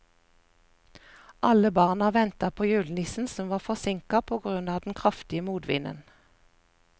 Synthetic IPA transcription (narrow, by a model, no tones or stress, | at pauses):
ʔɑləbɑːʁnɑʋɛnt̪ɑpʰoːjʉːlnɪsn̩sɔmʋɑːfɔsɪŋkɑpʰoːɡʁʉnɑːd̪n̩kʰʁɑft̪ɪəmuːd̪ʋɪ̰nʔə̰n